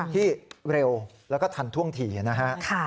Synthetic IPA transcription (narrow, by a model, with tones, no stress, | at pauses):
t̪ʰiː˥˩ɾe˧wlɛː˦˥wkɔː˥˩t̪ʰa˧nt̪ʰu˥˩əŋt̪ʰiː˧˩a˧˩na˦˥ɦʰa˦˥kʰa˥˩